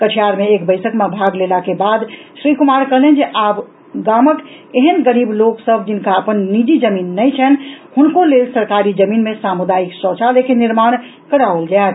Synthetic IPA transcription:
kət͡ʃʰijaɾmeːk̚bəɪsəkmebʱaɡlelakebad̪ʃɾikumaɾkəɦlẽnd͡ʒeʔab | ɡamək | eɦənɡəɾibloksəbʱd͡ʒinkaəpənːid͡ʒid͡ʒəminːəjt͡ʃʰɛnhunkolelsəɾkaɾid͡ʒəminmesamud̪aiksɔt͡ʃʰalekeniɾmaɽ̃ | kəɾaəld͡ʒat̪

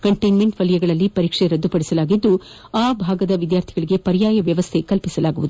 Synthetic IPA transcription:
kɐɳʈɐjnmeɳʈʋɐlijɐɡɐɭɐlːipɐɾiːkʂeɾɐd̪ːupɐɽisɐlaːɡid̪ːu | aːbʱaːɡɐd̪ɐʋid̪jaːɾt̪ʰiɡɐɭiɡe̞pɐɾijaːjɐʋjɐʋɐst̪ʰe̞kɐlpisɐlaːɡuʋud̪u

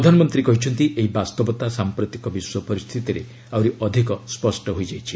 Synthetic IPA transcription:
d̪ʱanɔmɔnt̪ɾikɔɦit͡ʃʰɔnt̪iʔeɦibast̪ɔbɔt̪asampɾɔt̪ikɔbiswɔpɔɾist̪ʰit̪iɾe | awɾiʔɔd̪ʱikɔspɔsʈɔɦojd͡ʒajt͡ʃʰi̥

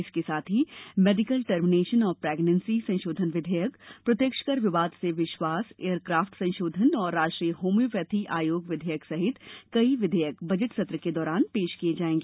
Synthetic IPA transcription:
ɪskesaːt̪ʰɦimeːɖɪkəlʈəɾmɪneːʃənɔːɾpɾeːɡnə̃nsisɐ̃ʃoːd̪ʱənʋɪd̪ʱɛjəkpɾɐt̪jəkʃə̥kəɾʋɪʋaːd̪seʋɪʃwaːseːəɾkɾaːfʈsɐ̃nʃoːd̪ʱənɔːɾːaːd͡ʒʈɾiːjəɦoːmjupət̪ʰiʔaːjoːɡʋɪd̪ʱəjəksɐɦɪt̪kɐiʋɪd̪ʱɛːjəkbɐd͡ʒəʈsɐt̪ɾəked̪ɔːɾaːnpeːʃkijed͡ʒaːẽːŋɡeː

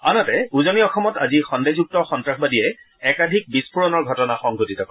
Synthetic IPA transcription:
anɔtɛuzɔniɔxɔmɔtazixɔndezuk̚tɔxɔntɹaxbadiɛ | ɛkadʱik̚bispuɹɔnɔɹɡʱɔtɔnaxɔŋɡʱotitɔkɔ

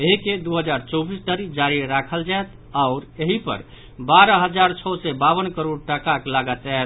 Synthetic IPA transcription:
eɦiked̪uɦəd͡ʒaɾt͡ʃɔbisʈ̪əɾid͡ʒaɾiɾakʰəld͡ʒajt̪ | aʊɾeɦipə̰ɾ | baɾəɦəd͡ʒaɾt͡ʃʰɔsɛbaβənkəɾoɖʈəkaklaɡət̪ɛet̪

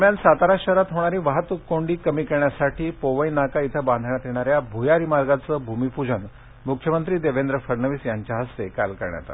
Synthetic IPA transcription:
əmjansat̪aɾaɕəɾat̪ɦoɽ̃aɾiːʋaɦət̪ʋukːoɳɖiːkəmiːkeɳjasaʈʰiːpoʋəjnakait̪ʰəbãnd̪ʱɳjat̪jeɽ̃aɾjabʱujaɾimaɾɡat͡səbʱumipud͡ʑən | mukʰːjəmənt̪ɾiːd̪eʋend̪ɾəfəɾnəʋiːsjaɲt͡ɕjaɦəst̪eka̰lkəɾɳja̰t̪a̰t̪

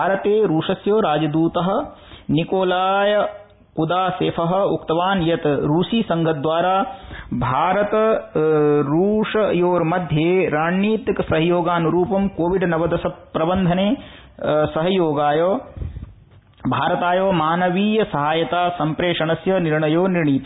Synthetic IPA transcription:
aːɾɐt̪eːɾuːʂɐsjoːɾaːd͡ʒɐd̪uːt̪ɐɦɐ̆nikoːlaːjɐ | kud̪aːseːpʰɐɦɐ̆ukt̪ɐʋaːnjɐt̪ɾuːʃiːsɐŋɡʱɐd̪ʋaːɾaːbʱaːɾɐt̪ɐ | ɾuːʂɐjoːɾmɐd̪ʱjeːɾaːɳːiːt̪ksɐɦɐjoːɡaːnuɾuːpɐmkoːʋiɖnɐʋɐd̪ɐsɐpɾɐbɐnd̪ʱɐneː | sɐɦɐjoːɡaːjoː | bʱaːɾɐt̪aːjoːmaːnɐʋiːjɐsɐɦaːjɐt̪aːsɐmpɾeːʂɐɳɐsjɐniɾɳɐjoːniɾɳiːt̪ɐ

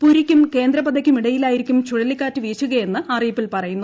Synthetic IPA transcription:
puɾikʲːumke̞ːnd̪ɾɐbɐd̪ɐkʲːumiɽɐjilaːjiɾikʲːumt͡ɕuɻɐlikːaːtːɨʋiːt͡ɕːuɣɐje̞nːɨarijɐpːilpɐrɐjunːu

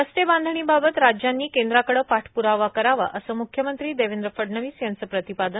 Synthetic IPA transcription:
əst̪ebãnd̪ʱəɳ̃iːbabət̪ɾad͡ʑjanːiːkẽnd̪ɾakəɽəpaʈʰpuɾaʋakəɾaʋa̰ʔəsəmukʰjəmənt̪ɾiːd̪eʋend̪ɾəfəɖɳəʋiːsjansəpɾət̪ipad̪ən

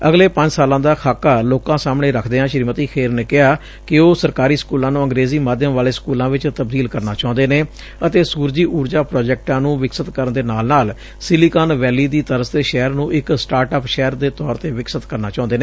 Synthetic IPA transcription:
əɡleːpəɲd͡ʒsaːlãːd̪aːkʰaːkːaːloːkãːsaːmɳeːɾəkʰd̪eːãːʃɾiːmət̪iːkʰeːɾneːkɪɦaː | kɪoːsəɾkaːɾiːskuːlãːnũːə̃ŋɡɾeːziːmaːd̪ʱjəmʋaːleːskuːlãːʋɪt͡ʃt̪əb̚d̪iːlkəɾnaːt͡ʃaːʊ̃nd̪eːneː | ət̪eːsuːɾd͡ʒiːʔuːɾd͡ʒaːpɾɔːd͡ʒɛːk̚ʈãːnũːʋɪksət̪kəɾənd̪eːnaːlnaːl | sɪliːkaːnʋɛːliːd̪iːt̪əɾəsd̪eːʃɛːəɾnũːʔɪksʈaːɾʈaːpʃɛːɾd̪eːt̪ɔːɾt̪eːʋɪksət̪kəɾnaːt͡ʃãːʊ̃nd̪eːneː

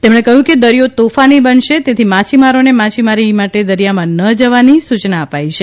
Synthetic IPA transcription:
t̪emɽ̃ekəɦjũked̪əɾijot̪ofanibənʃet̪et̪ʰimat͡ʃʰimaɾonemat͡ʃʰimaɾimaʈed̪əɾijamãnəd͡ʒəʋanisut͡ʃnaəpajʃʰe

